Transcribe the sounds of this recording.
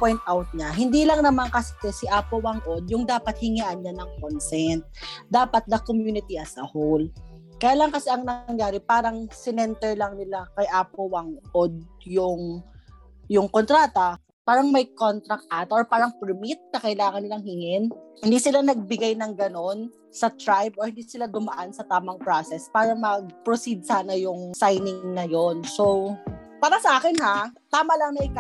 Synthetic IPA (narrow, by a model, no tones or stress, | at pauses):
pojnt̪ʔawt̪̚ɲaɦɪnd̪iːlɐŋnɐmaŋkɐsɛt̪ɛsɪʔaːpowaŋʔod̪̚jʊŋd̪aːpɐt̪̚hɪŋiʔɐnɲanɐŋkonsɛnt̪̚d̪aːpɐt̪̚nɐkomjuːnɪt̪iʔɐsɐhol | kɐjaːlaŋkɐsɛʔɐŋnɐŋjaːɾɪpaːɾɐŋsɪnɛnt̪ɛɹlɐŋnɪlakɐjʔaːpowaŋʔod̪̚jʊŋ | jʊŋkont̪ɾaːt̪ɐ | paːɾɐŋmɐjkont̪ɾɐk̚ʔat̪oʔoɹpaːɾɐŋpɛɹmit̪̚nɐkɐɪlaːŋɐnːɪlaŋhiŋɪnhɪnd̪isɪlanɐɡ̚bɪɡajnɐŋɡɐno̞n | sɐt̪ɾajbʔɔɹhɪnd̪isɪlad̪ʊmɐʔansɐt̪aːmɐŋpɾasɛspaːɾɐmɐɡ̚pɾosid̪̚saːnɐjʊŋsajnɪŋnɐjonsowpaːɾɐsɐʔaːkɪnhat̪aːmɐlɐŋnɐʔɪka